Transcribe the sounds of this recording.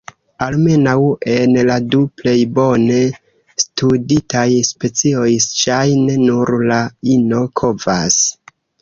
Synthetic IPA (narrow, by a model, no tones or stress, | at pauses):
alme̞nawe̞nladuple̞jbo̞ne̞ | studitajspe̞t͡sio̞jʃajnenuɾlaino̞kʰo̞va̰s